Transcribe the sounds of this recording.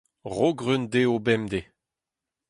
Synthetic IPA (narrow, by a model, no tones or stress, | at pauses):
ʁoɡʁynd̪eobɛmd̪e